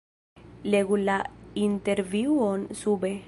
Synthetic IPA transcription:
leɣulaint̪eɾviwonsube

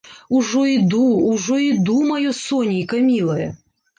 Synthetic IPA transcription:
uʐɔid̪uːʐɔid̪umɐjɔsɔnʲijkɐmʲilˠɐjɛ̰

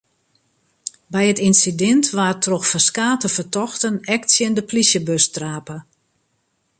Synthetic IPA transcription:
bɛjətinsidɛntʋaːrtroxfəskaːtəfərtɔxtənɛktsjəndəplisjəbøstraːpə

